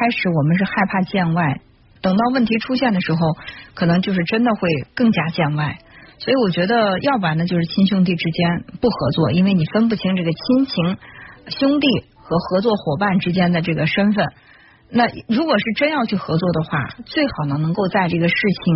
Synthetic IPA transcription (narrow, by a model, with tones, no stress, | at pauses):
kʰa˥ɪʂɻ̩˨˧˥wɔ˨˩mə˦nʂ̬ɻ̩˥˧xa˥˧ɪpʰa˥˧t͡ɕjɛ˥˧nwa˥˩ɪ | t̪ɤ˨˩ŋt̪ɑ˥˧ʊwə˥˩nt̪ʰi˧˥ʈ͡ʂʰu˥ɕjɛ˥˩nd̪ə˩ʂɻ̩˧˥xo˧ʊkʰɤ˨˩nɤ˧˥ŋt͡ɕjo˥˧ʂɻ̩˥˩ʈ͡ʂə˥nd̪ə˨xwe˥˧ɪkɤ˥˩ŋt͡ɕja˥t͡ɕjɛ˥˧nwa˥˩ɪswɔ˧˥i˧˥wɔ˨˩t͡ɕɥɛ˧˥d̪ə˧jɑ˥˩ʊpa˨˩nə˦t͡ɕjo˥˧ʊʂɻ̩˥˩t͡ɕʰi˥nɕjʊ˥ŋt̪̬i˥˩ʈ͡ʂɻ̩˥t͡ɕjɛ˥npu˥˩xɤ˧˥t͡swɔ˥˩i˥nwe˥˩ɪni˨˩fə˥npu˥˩t͡ɕʰi˧˥ŋʈ͡ʂɤ˥˩ɡə˩t͡ɕʰi˥nt͡ɕʰi˧˥ŋɕjʊ˥ŋt̪i˥˩ | xɤ˧˥xɤ˧˥t͡swɔ˥˩xwɔ˨˩pa˥˩nʈ͡ʂɻ̩˥t͡ɕjɛ˥nd̪ə˨ʈ͡ʂɤ˥˩ɡə˩ʂə˥nfə˥˩n | na˥˩ɻu˧˥kwɔ˨˩ʂɻ̩˥˩ʈ͡ʂə˥njɑ˥˧ʊt͡ɕʰy˥˩xɤ˧˥t͡swɔ˥˩d̪ə˩xwa̰˥˩t͡swe˥˩ɪxɑ˨˩ʊnə˧nɤ˧˥ŋko˥˧ʊt͡sa˥˧ɪʈ͡ʂɤ˥˩ɡə˩ʂɻ̩˥˩t͡ɕʰi˩ŋ